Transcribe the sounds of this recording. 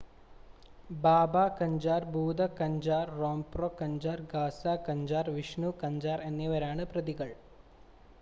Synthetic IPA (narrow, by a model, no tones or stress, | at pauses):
baːbaːkɐɲd͡ʑaːɾbʱuːd̪ɐkɐɲd͡ʑaːɾːoːmproːkɐɲd͡ʑaːɾɡaːsaːkɐɲd͡ʑaːɾʋiʂɳukɐɲd͡ʒaːɾenːeʋɐɾaːɳɨprɐd̪iɣɐɭ